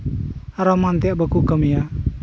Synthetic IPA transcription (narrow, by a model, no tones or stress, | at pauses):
aɾomant̪iaʔbəkukəmija